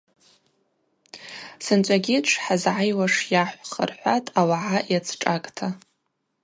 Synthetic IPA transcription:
sɨnt͡ʃʷʼaɡʲɪʈ͡ʂʷʰħazʕajwaʂjaħʷχə̰rħʷatʼawaʕajat͡sʰʈ͡ʂʼakʼtʰa

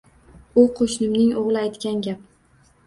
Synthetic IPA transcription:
uqʰoʃnɪmnɪŋoʁlˠɪajt̪kʲanɡʲap̚

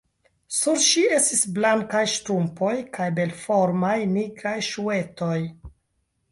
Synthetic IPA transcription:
suɾʃie̞stisblaŋkajʃtɾumpo̞jkajbe̞lfo̞ɾmajniɡɾajʃue̞to̞j

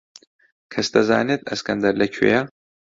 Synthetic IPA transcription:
kʰɐst̪ʰɐza̰ːnet̪ʰɐskɐnd̪ɐɾlɐkʰṵja

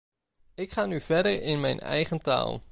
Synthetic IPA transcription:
ɪkχaːnyvɛɹdəɹɪnmɛjnɛ̰jχənta̰ːlˠ

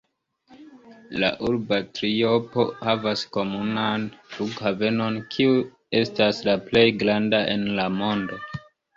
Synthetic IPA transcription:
la̰ʔuɾbatɾio̞po̞havasko̞munanfukhave̞no̞nkʰiu | e̞staslaple̞jɡɾandaʔe̞nlamo̞ndo̞

